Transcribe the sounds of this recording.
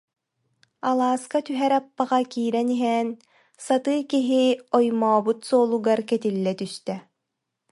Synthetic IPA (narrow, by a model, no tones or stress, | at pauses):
alˠaːskat̪yɦɛɾapːaʁakiːɾɛniɦɛn | sat̪ɯːkiɦiɔjmɔːbut̪sɔːlˠuɡaɾkɛt̪ilːɛt̪yst̪ɛ